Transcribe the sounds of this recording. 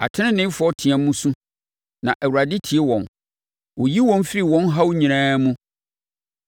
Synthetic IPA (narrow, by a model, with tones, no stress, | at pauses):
a̰˨tʰɪ˦ɪ̃˦nɪ̃˦fʊ˨˦ɔ˦tʰi˨ã˨mũ˦sũ˦ | nã˨ʔɛ˨wu˨ɾa˨dɪ˦tʰi˨e˦wɔ̃˨n | wʊ˨ji˦wɔ̃˦n˦fɪ˦ɾi˨wɔ̃˦nɦa˦wʊ˦ɲĩ˨ɾ̃ãː˦mũ˦